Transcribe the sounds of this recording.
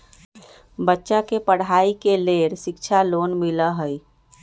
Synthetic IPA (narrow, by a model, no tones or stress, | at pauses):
bətːʃakepəɽ̤aikeleɾsɪkt͡ʃʰaloːnmiləɦəj